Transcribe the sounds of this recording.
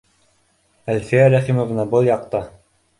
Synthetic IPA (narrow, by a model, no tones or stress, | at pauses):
ælfiæɾæχimovnɑbɤlˠjɑqt̪ɑ